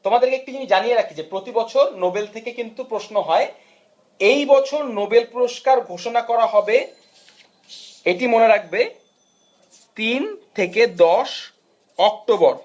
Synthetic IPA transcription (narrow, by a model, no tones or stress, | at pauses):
t̪omad̪eɾkeek̚t̪id͡ʑimid͡ʑanijeɾakʰid͡ʑepɾot̪ibɔt͡ɕʰoɾnobelt̪ʰekekint̪upɾoʃnoɦɔe | ejbɔt͡ɕʰoɾnobelpɾoʃkaɾɡʱoʃonakɔɾaɦɔbe | eʈimoneɾak̚ʰbe | t̪int̪ʰeked̪ɔʃ | ɔk̚ʈoboɾ